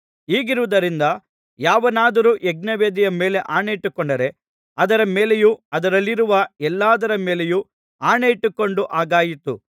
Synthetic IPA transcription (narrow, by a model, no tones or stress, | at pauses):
iːɡiɾuʋud̪ɐɾind̪ɐ | jaːʋɐnaːd̪ɐɾuːʔɛɡ̚nɐʋeːd̪ijɐme̞ːle̞ʔaːɳejiʈːukːɔɳɖɐɾe̞ | ɐd̪ɐɾɐmeːle̞juɐd̪ɐɾɐlːiɾuʋɐɛlːaːd̪ɐɾɐmeːleju | aːɳeiʈːukːo̞ɳɖuʔaːɡaːjit̪ṵ